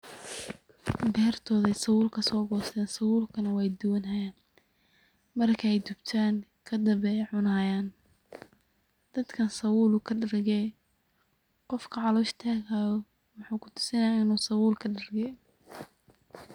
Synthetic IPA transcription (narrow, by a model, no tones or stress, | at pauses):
d̪ɛːrt̪ʰɔːðɛjsɐwuːlkʰɐsɔːɡɔːst̪ʰɛːnsɐwuːlkʰɐnɐwɛjd̪ʊwɐnɦɐjaːn | mɐrkʰɛjd̪ʊbt̪ʰaːŋkʰɐd̪ɐβɛjʕʊnaːjaːn | d̪̥ɐd̪kʰɐnsɐwuːlʊkʰɐɖɐrɡɛj | qɔfkʰɐʕɑlɔːʃt̪ʰaːɣaːjɔ | wɑħuːkʰʊ̥t̪ʰʊ̥sɪnɐjaːɪnuːsɐwuːlkʰɐɖɐrɡɛj